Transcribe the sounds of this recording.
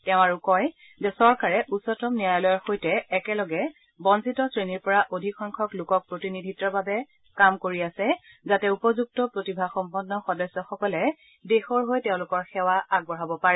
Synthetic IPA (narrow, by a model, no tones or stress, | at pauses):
tɛʊ̃aɹukɔj | zɛsɔɹkaɹɛʔusɔtɔmnijajlɔjɔɹxojtɛːkɛlɔɡɛ | bɔnsitɔsɹeniɹpɔɹaʔodʱikʰɔŋkʰɔklʊkɔk̚pɹotinidʱitːɔbabɛ | kamkoɹiasɛ | zatɛupɔzuk̚tɔpɹotibʱaxɔmpɔnːɔxɔdɔsːɔxɔkɔlɛ | dexɔɹɦojtɛʊ̃lʊkɔɹxɛwaaɡ̚bɔɹabɔpaɹɛ